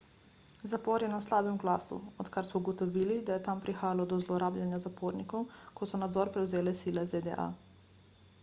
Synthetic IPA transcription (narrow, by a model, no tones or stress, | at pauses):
zapɔɾjɛnaslaːbɛmɡlaːsṵɔt̪kaɾsmɔuɡɔt̪ɔʋiːlid̪ajɛt̪ampɾixaːjalɔd̪ɔzlɔɾaːblʲjanjazapoɾnikɔwkɔsɔnad̪zɔːɾpɾɛwzeːlɛsilɛzed̪ɛ̰ʔa̰